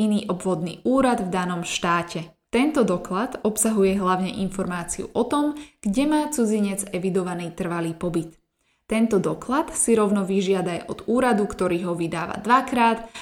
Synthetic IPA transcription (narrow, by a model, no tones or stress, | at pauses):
iniːʔɔbʋɔd̪nḭːʔuːɾad̪vd̪anɔmʃt̪aːcɛ | t̪ɛnt̪ɔd̪ɔklat̪ɔpsaɦujɛɦlaʊɲɛ̰ʔinfɔɾmaːt͡siṵʔɔt̪ɔmɡ̥ɟɛmaːt͡sud͡ziɲɛd͡zɛʋid̪ɔʋaniːt̪r̩ʋaliːpɔbit̪ː | ɛnt̪ɔd̪ɔklat̪siɾɔʊnɔʋiʒɪad̪ajɔd̪uːɾad̪ukt̪ɔɾiːɦɔʋid̪aːʋa̰d̪ʋakɾaːt̪